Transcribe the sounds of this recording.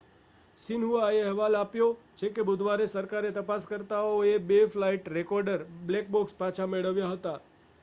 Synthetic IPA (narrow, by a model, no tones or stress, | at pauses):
sɪnɦuaeəɦʋalapjod͡ʒekebʊd̪ʱʋaɾesəɾkaɾet̪əpaskəɾt̪aoebeflaiʈɾekɔɾɖəɾblek̚bokspat͡ʃʰameɭəʋjaɦət̪a